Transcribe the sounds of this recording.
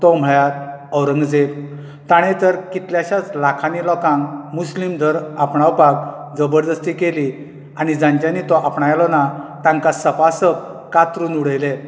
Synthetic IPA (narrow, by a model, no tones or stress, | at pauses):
t̪ɔm̤əɭat̪ | əwɾə̃ŋɡd͡zeʋ | t̪aɽ̃et̪əɾkit̪ljaɕat͡slakʰanilɔkãŋmuslimd̪ʱəɾapɳawpak̚ | d͡zəbəɾd̪əst̪iːkeli | añid͡zãɲt͡ɕjanit̪ɔʔapɳajalɔnat̪ãŋkasəpasəp̚kat̪ɾuːnuɽ̤əjle